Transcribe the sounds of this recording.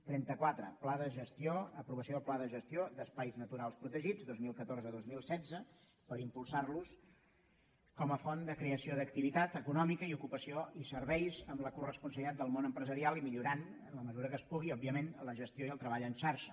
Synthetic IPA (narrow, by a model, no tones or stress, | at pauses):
t̪ɾɛnt̪əkwat̪ɾəplaðəʒəst̪ioəpɾuβəsioəplaðəʒəst̪ijod̪əspajznət̪uɾalˠspɾut̪əʒid͡zd̪ozmilˠkət̪oɾzəðozmilˠsɛd͡zə | pəɾimpulˠsarlus | kɔməfɔnd̪əkɾeəsioðəkt̪iβit̪at̪əkunɔmikəiukupəsioisəɾβɛjzəmləkurəspunsəβlit̪at̪d̪əlˠmonəmpɾəzəɾialˠimiʎuɾanənləməzuɾəkəspuɣiɔbiəmenləʒəst̪joiəlˠt̪ɾəβaʎənʃaɾʃə̥